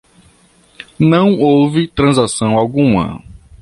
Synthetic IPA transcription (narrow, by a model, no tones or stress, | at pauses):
nɐ̃w̃owvɪt̪ɾɐ̃zasɐ̃w̃awɡũmɐ̰